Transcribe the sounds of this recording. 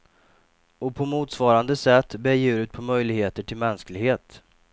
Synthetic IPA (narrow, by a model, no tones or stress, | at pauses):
ɔpʰɔmuːt̪svɑːɾand̪əsɛt̪ːbeːjʉːɾʉːt̪̚pʰɔmœjlɪɡheːt̪əʈʰɪlmɛnsklɪɡheːt̪